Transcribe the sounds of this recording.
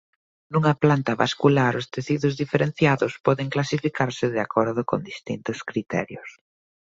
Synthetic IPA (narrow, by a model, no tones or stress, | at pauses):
nuŋɐplant̪aβa̰skulaɾost̪eθiðʊzðifeɾen̟θjaðʊspɔðeŋklasifikaɾsɪðeakʰɔɾðʊko̰nd̪ist̪int̪ʊskɾit̪ɛ̰ɾjos